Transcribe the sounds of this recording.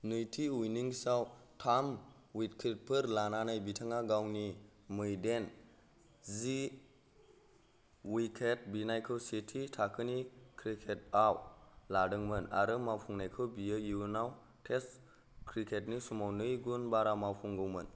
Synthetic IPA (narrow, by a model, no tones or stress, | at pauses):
nɯjtʰiujniŋsawtʰam | wit̚kʰit̚pʰɯɾlananajbitʰaŋaɡawnimɯjden | zi | wikʰet̚binajkʰɯwsetʰitʰakʰɯnikʰɾikʰet̚awladɯŋmɯna̰ɾɯmawpʰuŋnajkʰɯwbiɯjinaw | tʰes | kʰɾikʰet̚nisumawnɯjɡunbaɾamawpʰuŋɡɯwmɯn